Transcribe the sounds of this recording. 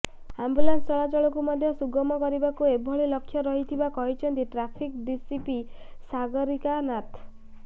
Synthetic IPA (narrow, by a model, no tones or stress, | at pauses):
ambulanst͡ʃɔɭat͡ʃɔɭɔkumɔd̪ʱjɔsuɡɔmɔkɔɾibakuebʱɔɭilɔkʰːjɔɾɔɦit̪ʰibakɔɦit͡ʃʰɔnt̪iʈɾapʰikɖisipi | saɡɔɾikanat̪